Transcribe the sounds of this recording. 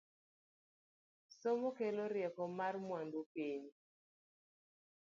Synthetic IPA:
somokeloɾjɛkɔmarmwandupiɲi

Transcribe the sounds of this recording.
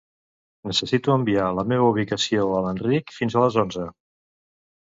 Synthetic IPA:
nəsəsit̪uəmbialəmeβ̞əuβ̞ikəsioələnrikfinzələzonzə

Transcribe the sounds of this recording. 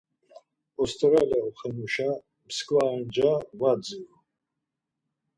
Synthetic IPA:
ɔst̪ʼɾaliawχɛnuʃa | mskʼwaɛnd͡ʒavad͡zivɔ

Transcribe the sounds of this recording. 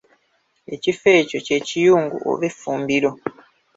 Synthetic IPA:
e̞cife̞ːco̞ce̞ːcijuːŋɡṵʔo̰βefuːmbiɾo

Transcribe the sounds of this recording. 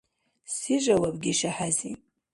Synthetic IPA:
siʒʷawabɡʲɪʃaħazi

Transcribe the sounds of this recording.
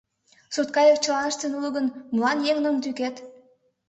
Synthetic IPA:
sut̪̚kɑjek̚t͡ɕə̆lɑnəʃt̪enulˠəɣə̆nmlɑnjeŋnəmt̪yket̪

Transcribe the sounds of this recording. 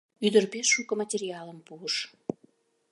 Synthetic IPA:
yd̪ərpesʃukəmətʲerʲiɑləmpuəʃ

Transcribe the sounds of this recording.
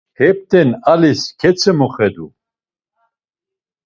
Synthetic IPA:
hɛp̚t̪ʰɛnaliskʰɛt͡sʰəmɔχɛd̪u

